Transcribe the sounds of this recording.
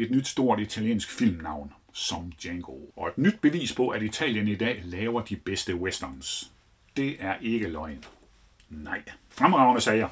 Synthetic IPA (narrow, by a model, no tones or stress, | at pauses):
e̝d̥nyd̥sd̥o̝ɐ̰d̥it͡sʰæljḛːnsɡ̥fil̰mnɑ̈ʊn | sɒ̽md̥jeŋɡ̥oɒ̽e̝d̥nyd̥̚b̥e̝ʋḭːspʰɒ̽ʔæd̥it͡sʰɛ̰ːljənid̥ɛ̰ːlɛːʊɐd̥ib̥esd̥əwesd̥ɐns | d̥e̝æɐʔe̝ɡ̥əlɒ̽ɪn | nɑ̈ɪ̰fʁamʁɑ̈ʊnəsɛːjæ